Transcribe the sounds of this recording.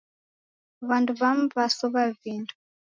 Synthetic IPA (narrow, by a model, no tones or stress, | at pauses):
βanduβam̩vasɔβavindʰu̥